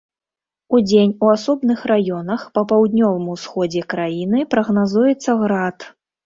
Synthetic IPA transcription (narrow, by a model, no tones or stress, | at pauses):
ud͡zʲenʲuasɔbnɨxrajɔnɐxpɐpawd̪nʲɔvɨmusxɔd͡zʲɛkɾajinɨpɾɐɣnazujɛt̪sːɐɣɾat̪